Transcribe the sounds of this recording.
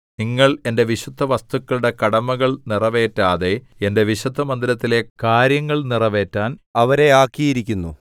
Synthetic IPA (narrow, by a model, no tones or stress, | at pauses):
niŋːɐɭe̞nde̞ʋiɕud̪ʱːɐʋɐst̪ukːɐɭuɽe̞kɐɽɐmɐɣɐɭnirɐʋe̞ːtːaːðe̞ende̞ʋiɕud̪ʱːɐmɐnd̪iɾɐt̪ːile̞kaːɾjɐŋːɐɭnirɐʋe̞ːtːaːnɐʋɐɾe̞aːkːijiɾikʲːunːṵ